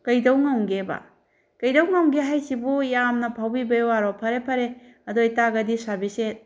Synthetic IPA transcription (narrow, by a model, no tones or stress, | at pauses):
kɐjdɐwŋɐwɡebɐ̰ | kɐjdɐwŋɐwmɡeɦajsibujamnɐpʰawbibɐjwaɾopʰɐɾepʰɐɾe | ɐdojtaɡɐdisabiset̚